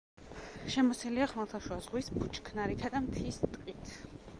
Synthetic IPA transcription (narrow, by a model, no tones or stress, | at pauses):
ʃɛmɔsɛliaχmalˠt̪ʰaʃwazʁwisbʰut͡ʃʰʼkʰnaɾit̪ʰad̪amt̪ʰist̪ʼqʼit̪ʰ